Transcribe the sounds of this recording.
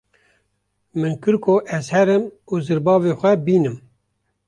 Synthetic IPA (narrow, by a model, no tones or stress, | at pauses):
mɨnkɨɾkʰoʔɛzhɛɾɨmuzɨɾbɑːveːxʷɛbiːnɨm